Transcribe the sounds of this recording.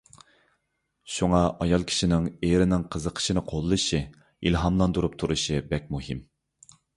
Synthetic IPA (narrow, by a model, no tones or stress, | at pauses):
ʃuŋɑɑjɑlˠkʲʰi̥ʃinɪŋeɾɪnɪŋqʰəzəqʰə̥ʃinɨqʰolˠːɨʃi | ilɦɑmlˠɑnd̪uɾup̚t̪ʰuɾuʃɨbɛk̚ʲmuɦim